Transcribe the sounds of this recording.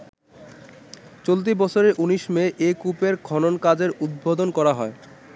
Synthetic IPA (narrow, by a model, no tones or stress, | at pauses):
t͡ɕolt̪̬ibɔt͡ɕʰoɾeʔuniʃmeʔekupeɾkʰɔnonkad͡ʑeɾud̪̚bod̪onkɔɾaɦɔe